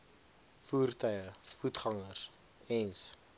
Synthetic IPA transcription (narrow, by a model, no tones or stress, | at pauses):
fuːrtœɥəfutχɐŋərs | ɛns